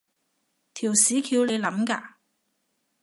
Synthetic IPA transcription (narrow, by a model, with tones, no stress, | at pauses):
t̪ʰiː˨˩wsiː˨˥kʰiː˨˧wle˨˧jlɐ˨˥mkaː˧